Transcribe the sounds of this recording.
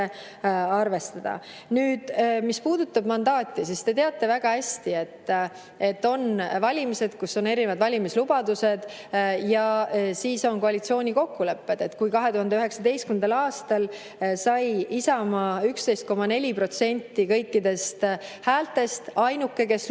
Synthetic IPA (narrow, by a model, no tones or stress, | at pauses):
ɑrve̞st̪ɑd̪̥ɑ̰ | nyːd̪̥mispuːd̪̥ut̪ːˑɑbmɑnd̪ɑːt̪ʲˑːisist̪e̞t̪e̞ɑt̪ːˑe̞væɡ̥ɑhæsʲt̪ie̞t̪ː | e̞t̪ːo̞nvɑlʲimise̞d̪̥kusːo̞ne̞ɾinevɑd̪vɑlʲimislubɑd̪̥use̞d̪̥ | jɑsiːso̞nko̞ɑlit̪sio̞ːnʲiko̞kːule̞pːe̞d̪̥e̞t̪ːkujkɑɦe̞t̪uhɑnd̪eyɦe̞ksɑd̪e̞jstkymend̪ɑlɑːst̪ɑl | sɑjisɑmɑykst̪e̞jst̪ko̞mɑne̞lʲipro̞t̪se̞nʲt̪ːikɤ̞jkːid̪e̞st̪hæːlt̪ːe̞st̪ɑjnukːˑe̞ke̞s